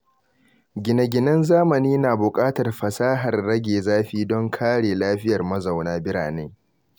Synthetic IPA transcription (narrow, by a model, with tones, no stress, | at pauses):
ɡʲɪ˨nɐ˨ɡʲɪ˨nɐ˦nzaː˦mɐ˨niː˦naː˨bʊ˨kʼaː˦tɐ˨rɸɐ˨saː˦ɦɐ˨rːɐ˦ɡʲeː˨zaː˦ɸiː˦dɔ˦ŋkʰaː˦ɽeː˨laː˦ɸɪ˦jɐ˨rmɐ˦za˨wnaː˦bɪ˦ɽaː˨ne˦ŋ